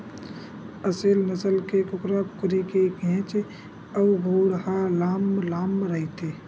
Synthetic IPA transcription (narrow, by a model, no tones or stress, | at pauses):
əselnəsəlkekʊkɾəp̚kʊɾikeɡʱẽt͡ʃ | əwɡʱuːɽɦalaːmlaːmɾəɦit̪e